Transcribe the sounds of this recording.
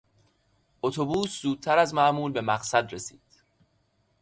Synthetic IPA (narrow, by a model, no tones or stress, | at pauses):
ʔot̪ʰobuːszuːd̪̚t̪ʰæɾæzmæʔmuːlbe̞mæɢsæd̪ɾesiːd̪̥